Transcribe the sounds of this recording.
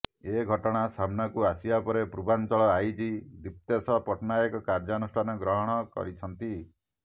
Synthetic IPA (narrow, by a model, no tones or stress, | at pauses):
eɡʱɔʈɔɽ̃asamnɔkuasibapɔɾepɾubant͡ʃɔɭɔajd͡ʒid̪ip̚t̪esɔpɔʈnajɔkɔkaɾd͡ʒɔnusʈʰanɔɡɾɔɦɔɽ̃ɔkɔ̰ɾit͡ʃʰɔnt̪i